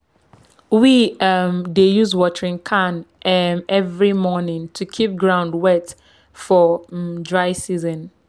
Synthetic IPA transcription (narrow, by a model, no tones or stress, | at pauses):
wiamdejuzwɔtɹĩŋkʰãnmɛvɹimɔnɪ̃ŋtʰukʰip̚ɡɹãʊ̃ndwɛt | fɔdɹaɪsizɔ̃n